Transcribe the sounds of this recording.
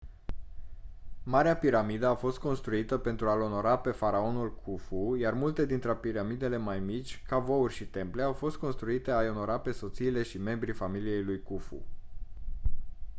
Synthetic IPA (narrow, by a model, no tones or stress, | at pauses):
maɾeapiɾamid̪əafo̞st̪̚ko̞nst̪ɾuit̪əpe̞nt̪ɾualo̞no̞ɾape̞faɾao̞nulkʰufujarmult̪e̞d̪int̪ɾeapiɾamid̪e̞le̞majmit͡ʃʲkavo̞urʲʃit̪e̞mple̞awfo̞st̪̚ko̞nst̪ɾuit̪e̞ajo̞no̞ɾape̞so̞t̪siːle̞ʃime̞mbɾifamilije̞jlujkufṵ